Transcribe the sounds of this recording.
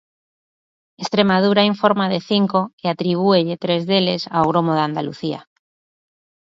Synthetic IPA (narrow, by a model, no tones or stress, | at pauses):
est̪ɾemað̞uɾaiɱfoɾmaðeθiŋkoeat̪ɾiβ̞ueʎet̪ɾezðelesa̰oɣɾomoðand̪alṵθia̰